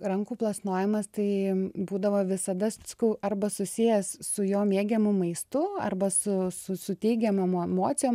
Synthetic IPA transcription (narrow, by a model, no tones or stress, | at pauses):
rɐŋkuːplˠɐsnoːjɛmɐst̪ɐɪbuːd̪ɐʋoːʋʲɪsɐd̪ɐssʲɐ̥kɐʊʔɐrbɐsʊsʲijɛssʊjoːmʲeːɡʲɛmʊmɐɪst̪ʊɐ̰rbɐsʊsʊsʊt̪ʲɛɪɡʲɛmoɛmoɛmoːtt͡s̪ʲsʲɪjoːm